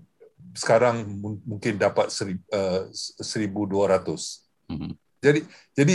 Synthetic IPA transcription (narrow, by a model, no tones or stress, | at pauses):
sə̥kaɾaŋmũŋkɪndapat̪̚səɾiəsəɾibuduaɾat̪ʊs | d͡ʒadi | d͡ʒadi